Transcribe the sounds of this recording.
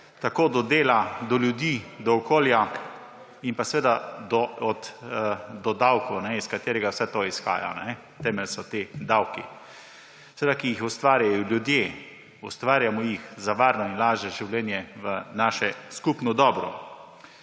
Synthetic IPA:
t̪akoːd̪ɔd̪eːlad̪ɔljud̪iːd̪ɔːkoːlja | impasɛʋeːd̪ad̪ɔɔt̪ | d̪ɔd̪awkɔwnɛiskat̪eːɾɛɡawsɛt̪oːisxa̰ːja̰nɛ | t̪ɛːmɛlsɔt̪ed̪awki | sɛʋed̪akijixʊst̪ʋaːɾjajɔljud̪jeː | ʊst̪ʋaːɾjamɔjixzaʋaːɾnɔinlaːʒɛʒiwljɛːnjɛʋənaːʃɛskupnɔd̪ɔːbɾɔ

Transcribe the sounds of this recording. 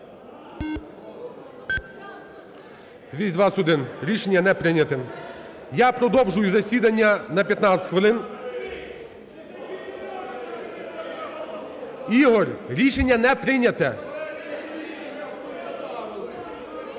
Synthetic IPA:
d̪ʲʋʲisʲd̪ʋɑsʊd̪ɪnɾʲiʃenʲːɐnɛpɾɪnʲɐt̪ɪn | japɾɔd̪ɔwʒʊjuzɐsʲid̪ɐnʲːɐnɐpʲjɐt̪nat̪ʲɐ̥tʲxʋɪlˠɪn | iɦɔɾʲɾʲiʃenʲːɐnɛpɾɪnʲɐt̪ɛ

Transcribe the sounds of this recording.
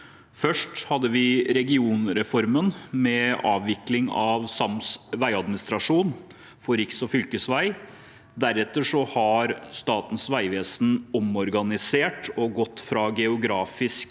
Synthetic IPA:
fœʂʈhɑd̪ːəʋɪɾɛɡɪuːnɾɛfɔɾmənmɛɑ̰ːʋʋɪklɪŋɑʋsɑmsʋæɪɑd̪mɪnɪst̪ɾɑʂuːn | fɔɾɪksɔfʏlkəsʋæɪ | d̪æɾɛt̪ːəʂɔhɑɾst̪ɑːt̪n̩sʋæɪʋeːsn̩ɔmɔɾɡɑnɪseːʈɔɡɔt̪ːfɾɑɡɛʊɡɾɑːfɪsk

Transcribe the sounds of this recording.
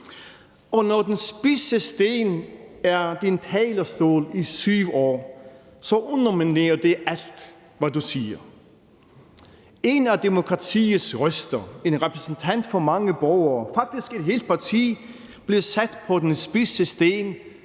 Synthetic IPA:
ɒ̽nɒd̥ensb̥isəsd̥e̝̰ːnæɐd̥int͡sʰɛ̰ːlɐsd̥o̝̰ːlisyːʊʊɒ̰ː | sɒ̽ʔɔnɐmine̝̰ːɐd̥e̝æl̰d̥ | ʋædusiːɐ | e̝næd̥e̝mo̝kʰʁɑ̈t͡sʰḭːð̩ˠsʁœsd̥ɐe̝nʁɛpʰʁɛsnt͡sʰæn̰d̥fɒ̽mɑ̈ŋəb̥ɒʊɐːfɑ̈ɡ̥̚d̥isɡ̥e̝d̥ɦe̝̰ːld̥̚pʰɑ̈t͡sʰḭː | b̥li̝sæd̥pʰɒ̽d̥ensb̥isəsd̥e̝̰ːn

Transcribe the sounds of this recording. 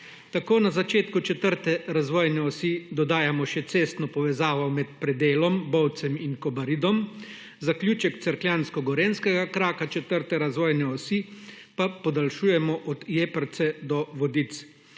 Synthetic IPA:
t̪akoːnazat͡ʃeːt̪kut͡ʃɛt̪əɾt̪ɛɾazʋɔːjnɛɔsid̪ɔd̪aːjamɔʃɛt̪seːst̪nɔpɔʋɛzaːʋɔmɛt̪̚pɾɛd̪eːlɔmbɔwt̪sɛminkɔbaɾid̪ɔm | zaklʲuːt͡ʃɛkt̪sɛɾkljaːnskɔɡɔɾeːnskɛɡakɾaːkat͡ʃɛt̪əɾt̪ɛɾazʋɔːjnɛɔsi | papɔd̪alʃuːjɛmɔʔɔd̪jeːpəɾt̪sɛd̪ɔʋɔd̪it̪s

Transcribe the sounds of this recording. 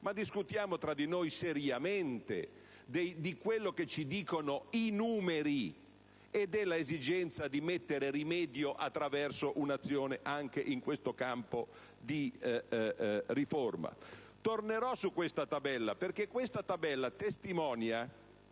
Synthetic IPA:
mad̪iskut̪jaːmot̪ɾad̪inojseɾjament̪ḛ | d̪ejd̪ikwelːoket͡ʃːid̪iːkonoinuːmeɾi | ed̪ɛlaezid͡ʒɛnt̪sad̪imet̪ːeɾeɾimɛːd̪joʔat̪ːɾavɛrsoʔunat̪sːjoːneʔaŋk̟eʔiŋkwest̪okampo | d̪i | riforma̰ | t̪orneɾɔsukːwest̪at̪abɛlːaperkekːwest̪at̪abɛlːat̪est̪imɔːnja

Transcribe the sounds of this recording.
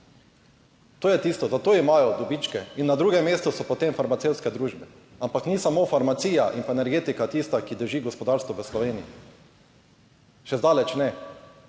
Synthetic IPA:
t̪oːjɛt̪iːst̪ɔzat̪oːimajɔd̪ɔbit͡ʃkɛinːad̪ɾuːɡɛmːeːst̪ɔsɔpɔt̪emfaɾmat̪ewt̪skɛd̪ɾuːʒbɛ | ampaknisamofaɾmat̪siːjaʔimpaɛnɛɾɡeːt̪ikat̪ist̪akid̪əɾʒiɡɔspɔd̪aɾst̪ʋɔʋəslɔʋeːniji | ʃɛzd̪aːlɛt͡ʃnɛ

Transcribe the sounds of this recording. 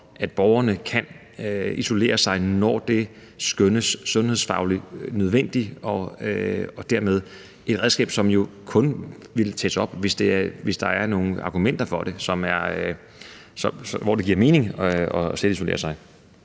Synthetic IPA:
ʔæd̥b̥ɒʊɐnəkʰæn | iso̝le̝̰ːɐsɑ̈ɪnɒd̥e̝ | sɡ̥ønəsːɔ̽nhe̝sfɑ̈ʊlinøð̞ˠʋen̰d̥iɒ̽ | ɒ̽d̥æɐmeð̞ˠ | e̝d̥ʁɛðˠsɡ̥ɛ̰ːb̥sɒ̽mjo̝kʰɔ̽nʋe̝lt͡sʰesəɒ̽b̥ʋe̝sd̥e̝ɐʋe̝sd̥ɑ̈æɐno̝ːŋ̩ɑ̈ːɡ̥umen̰d̥ɐfɒ̽ɾ̥e̝sɒ̽mæɐ | sɒsʋɒd̥e̝ɡiɐ̰me̝ːne̝ŋɒ̽selis̬o̝le̝̰ːɐsɑ̈ɪ

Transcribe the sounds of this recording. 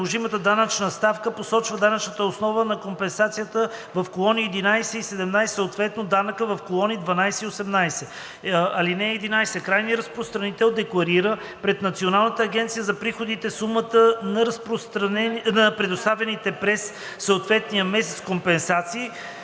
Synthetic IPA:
lˠoʒimət̪əd̪anət͡ʃnəst̪afkəposɔt͡ʃvəd̪anət͡ʃnət̪əosnɔvənɐkompɛnsat̪sijət̪əvɐfkolˠɔniɛd̪inajsɛisɛd̪ɛmnajsɛ̥səot̪vɛt̪nod̪anəkəvɐfkolˠɔnid̪vɐnajsɛiosɛmnajsɛ | ɐlinɛːd̪inajsɛkɾajniəɾəspɾost̪ɾɐnit̪ɛlˠd̪ɛklˠɐɾiɾə | pɾɛt̪nɐt̪sionalˠnət̪əːɡɛnt̪sijəzɐpɾixod̪it̪ɛsumət̪ənɐɾɐspɾost̪ɾɐnɛnɐpɾɛd̪ost̪avɛnit̪ɛpɾɛsː | oot̪vɛt̪nijəmɛs̬ɛt̪skompɛnsat̪siː

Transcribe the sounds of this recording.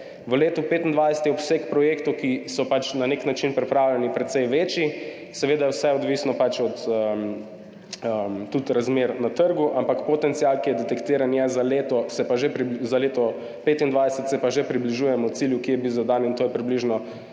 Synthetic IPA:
ʋəleːt̪upeːt̪ind̪ʋajsɛ̥t̪jɛɔpsekpɾɔjeːkt̪okisɔpat͡ʃnaneknat͡ʃinpɾɛpɾawlʲɛnipɾɛt̪sɛjʋeːt͡ʃi | sɛʋeːd̪ajɛwsɛɔd̪ʋisnɔpat͡ʃɔt̪əm | əmt̪ut̪ɾazmeːɾnat̪əɾɡuʔampakpot̪ɛnt̪sialkijɛd̪ɛt̪ɛkt̪iːɾanjɛzaleːt̪ɔsɛpaʒepɾizaleːt̪ɔ | peːt̪ind̪ʋajsɛt̪sɛpaʒepɾibliʒuːjɛmɔwt̪siljukijɛbizad̪anint̪oːjɛpɾibliʒnɔ

